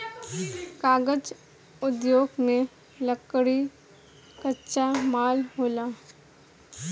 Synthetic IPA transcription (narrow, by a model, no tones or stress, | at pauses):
kaːɡəd͡ʒ | ʊd̪joːɡmẽ | ləkɽi | kətːʃamaːlɦoːlaː